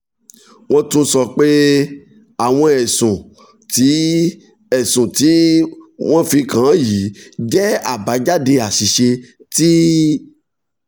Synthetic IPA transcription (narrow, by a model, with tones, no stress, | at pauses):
w̃ɔ̃˦tũ˦sɔ˧k͡pe˦ | a˨w̃ɔ̃˧ɛ˨sũ˨ | ti˨˦ | ɛ˦˨sũ˨ti˨˦w̃ɔ̃˦fĩ˧kã˨˦ji˨˦d͡ʒɛ˦a˦˨ba˨˦d͡ʒa˦de˧a˨ʃi˨ʃe˧ti˦